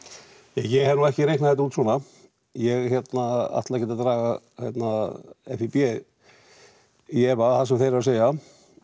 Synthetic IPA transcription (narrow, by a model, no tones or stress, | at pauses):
jɛjɛɣhɛɾnuɛhcɪɾejknaðɛht̪auːt̪sɔːna | jɛɣçɛt̪naa̰ht̪lacɛːt̪at̪ɾaːɣa | hjɛt̪naɛ̰fipjɛ | iɛvaθasɛmθejɾaseːja